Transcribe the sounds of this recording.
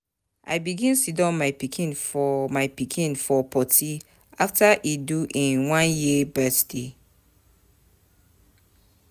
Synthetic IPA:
ʔa̰ɪbiɡĩnsitɔ̃nmaɪpikʰĩnfɔmaɪpikʰĩnfɔpʰɔtʰi | aftʰaʔiduʔĩnwãnjibɛtde

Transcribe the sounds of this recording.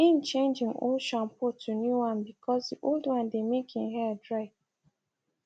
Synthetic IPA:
ɪ̃n̩t͡ʃẽnd͡ʒɪ̃ŋo̰ʃɔ̃npʊtʰunjuwãnbikʰɔsdiʔoldwãndemekʰɪ̃ŋɦɛdɹaɪv

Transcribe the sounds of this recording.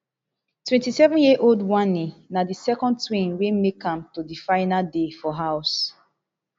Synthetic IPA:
twɛ̃ntisɛvɔ̃njiʔoldwãnĩnadisɛkɔ̃ntwĩnwemekãmtodifaɪnadefɔɦaʊs

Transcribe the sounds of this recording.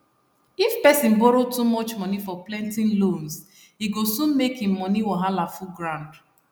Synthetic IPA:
ifpɛsĩn̩boɾotumɔt͡ʃmɔnifɔplɛ̃ntĩnlõns | hiɡosũnmekhĩmːɔniwɔɦalafuɡɾãnd

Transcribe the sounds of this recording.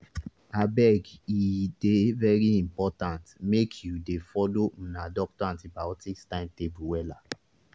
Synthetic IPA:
abɛɡidevɛɹiĩmpɔtãntmekʰjudefɔlom̩̃nadɔk̚tɔãntibaɔtikstãɪ̃ntebuwɛla

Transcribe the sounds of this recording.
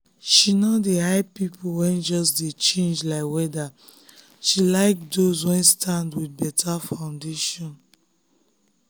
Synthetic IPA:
ʃinɔdehaɪpipʰuwɛ̃nd͡ʒɔs̬det͡ʃẽnd͡ʒlaɪkwɛda | ʃilaɪkdozwɛ̃nstʰãndwid̚bɛtʰafãʊ̃ndeʃɔ̃n

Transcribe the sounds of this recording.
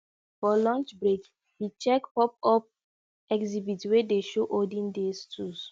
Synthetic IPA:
fɔlɔ̃nt͡ʃbɹek | hit͡ʃɛkpɔp̚ɔp̚ | ɛkzibitwedeʃoʔodĩndestʰus

